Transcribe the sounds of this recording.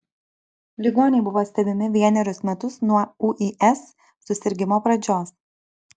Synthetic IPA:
lʲɪɡoːnʲɛɪbʊʋoːsʲt̪ʲɛbʲɪmʲɪʋʲiɛnʲɛɾʲʊsmʲɛt̪ʊsnuɔɐuʔiʔɛsː | ʊsʲɪɾʲɡʲɪmoːpɾɐd͡ʒʲoːs

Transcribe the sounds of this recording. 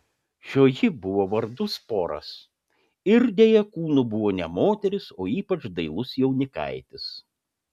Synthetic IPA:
ʃʲoːjɪbʊʋoːʋɐɾd̪ʊspoːɾɐ̰s | ɪɾd̪ʲeːjɛkuːnubʊʋoːnʲɛmoːt̪ʲɛɾʲɪsoːiːpɐt͡ʃd̪ɐɪlˠʊsjɛʊnʲɪkɐ̰ɪt̪ʲɪs

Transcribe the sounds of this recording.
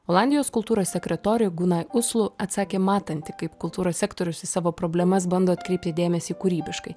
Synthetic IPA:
oːlˠɑnʲd̪ʲɪjoːskʊlˠt̪uːɾoːssʲɛkʲɾʲɛt̪oːɾʲʊɡunɐɪʊslˠʊɐt̪sɑːkʲeːmɑːt̪ɐnʲt̪ʲɪkɐɪpkʊlˠt̪uːɾoːsʲsʲɛːkt̪oːɾʲʊsɪsɑːʋoːpɾoːbʲlʲɛmɐs̬bɐnd̪oːɐt̪ʲkɾʲɛɪpʲt̪ʲɪd̪ʲeːmʲɛsʲiːkuɾʲiːbʲɪʃkɐɪ

